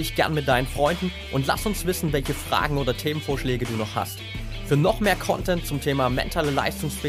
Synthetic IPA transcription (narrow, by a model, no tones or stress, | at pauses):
ɪçɡ̥ɛɐnmɪt̚d̥aɪnənfʁ̥ɔʏndn̩ | ʔʊntla̰sʊnsv̥ɪsn̩vɛlçəfʁ̥a̰ːɡŋ̩oːdɐtʰeːmənfoːɐʃlɛːɡəduːnɔχha̰st | fyːɐnɔχmeːɐkʰɔ̰ntʰɛnt̚t͡sʊmtʰeːmaːmɛ̰ntʰaːləla̰ɪstʊŋsfɛː